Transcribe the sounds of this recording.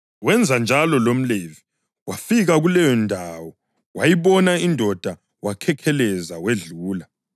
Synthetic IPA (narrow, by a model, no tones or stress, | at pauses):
wɛnd͡zʱand͡ʒʱalɔlom̩levi | wafiɣaɣulɛjɔndʱaːwɔ | wajiβɔnaindʱɔd̥ʱa | wakʰɛkʰɛlɛzaweɮuːla